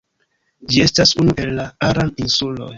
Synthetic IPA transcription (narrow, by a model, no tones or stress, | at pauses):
d͡ʒie̞stasunuʔe̞lːaaɾaninsulo̞̰j